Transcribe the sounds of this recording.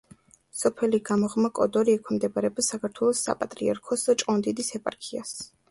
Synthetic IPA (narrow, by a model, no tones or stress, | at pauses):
sɔpʰɛliɡamɔʁmakʼɔ̰d̪ɔɾiɛkʰwɛmd̪ɛbaɾɛbsakʰaɾt̪ʰwɛlˠɔsːa̰pʼat̪ʼɾiaɾkʰɔst͡ʃʼɔnd̪id̪isɛpʼa̰ɾkʰia̰s